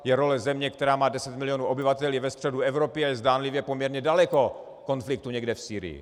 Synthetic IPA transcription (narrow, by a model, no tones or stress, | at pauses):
jɛɾo̞lɛzɛmɲɛkt̪ɛɾaːmaːdɛsɛt̪mɪlɪjonuːʔo̞bɪvat̪ɛljɛvɛst̪r̥ɛduɛvɾopɪajɛzdaːnlɪvjɛpo̞mɲɛɾɲɛdalɛko̞ | ko̞nflɪk̚t̪uɲɛɡdɛfsiːɾɪ̰jɪ̰